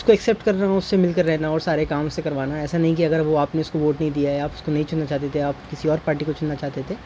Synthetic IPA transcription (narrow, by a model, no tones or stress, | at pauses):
ʊskoɛksɛːp̚ʈkɐɾnaʊsːemɪlkɐɾːɛɦnaɔːɾsaːɾekaːmʊsːekɐɾʋaːnaɛːsanɐɦĩk̬iɐɡəɾʋoaːpneʊskoʋoːʈnɐɦĩd̪ijaɦɛaːpʊskonɐɦĩt͡ʃʊnnat͡ʃaːɦt̪et̪ʰeaːpkɪsiɔːɾpaːɾʈikot͡ʃʊnːat͡ʃaːɦt̪et̪ʰeː